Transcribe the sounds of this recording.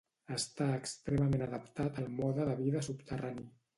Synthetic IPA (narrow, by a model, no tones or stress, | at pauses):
əst̪aəkst̪ɾeməmenəðəpt̪at̪əlˠmɔðəðəβiðəsupt̪ərani